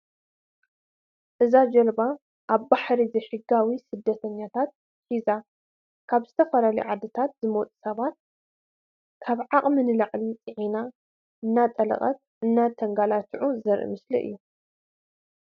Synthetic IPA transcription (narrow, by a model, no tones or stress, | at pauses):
ʔɨzad͡ʒɐlba | ʔaβbaħɾizɐjħɨɡːawisɨd̪ːɐt̪ʰɐɲːat̪ʰat̪̚ | ħiza | kʰaβz̥ɨt̪ʰɐfɐlalḭʕad̪ɨt̪ʰat̪zɨmot͡sʼu̥sɐβat̪̚ | kʰaβʕaχʼmɨnɨlaʔʼlit͡sʼɨʕina | ʔɨnːat̪ʼɐlɐ̰χʼɐ̰t̪̚ | ɨnːat̪ʰɐŋɡalat͡ʃiʕuzɐɾʔḭmɨslḭʔɨ̰jːu